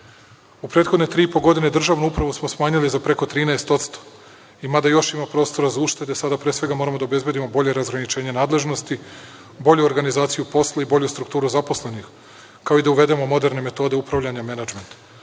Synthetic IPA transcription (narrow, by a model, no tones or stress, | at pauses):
upɾeːt̪xo̞d̪net̪ɾiːipo̞ɡo̞d̪ine̞d̪r̩ʒaʋnuupɾaʋusmo̞smaːɲalizapɾe̞ko̞t̪ɾiːneest̪o̞t̪st̪o̥ | imad̪ajo̞ʃimapɾo̞ːst̪o̞ɾazauʃt̪e̞d̪esad̪apɾeːsʋe̞ɡamo̞ɾamo̞d̪aobe̞zbe̞d̪imo̞bo̞ʎe̞ɾazɡɾanit͡ʃe̞ːɲenaːd̪le̞ʒno̞st̪i | bo̞ʎuoɾɡanizaːt̪sijupo̞slˠaibo̞ʎust̪ɾukt̪uːɾuzapo̞sle̞nix | kao̞id̪auʋe̞d̪e̞momo̞d̪e̞ɾne̞me̞t̪o̞d̪eupɾavʎaɲamenad͡ʒment̪